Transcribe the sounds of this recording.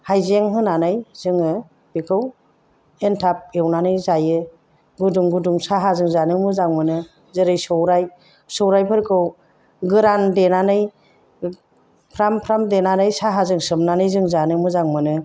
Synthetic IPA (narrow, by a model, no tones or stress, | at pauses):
hajzeŋɦɯnanɯjz̥ɯŋɯ | b̥ikʰɯw | entʰap̚ewnanɯjzajɯ | ɡuduŋɡuduŋsaɦazɯŋzanɯmɯzaŋmɯnɯ | zɯɾɯjsɔwɾaj | sɔwɾajpʰɯɾkʰɯw | ɡɯɾandenanɯj | pʰɾampʰɾamdenanɯjsaɦazɯŋsɯmnanɯjzɯŋzanɯmɯzaŋmɯnɯ